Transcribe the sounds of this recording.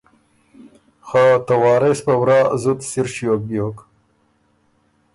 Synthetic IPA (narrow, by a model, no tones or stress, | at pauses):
xat̪awɑːɾespawɾɑːzut̪siɾʃjok̚bjoːk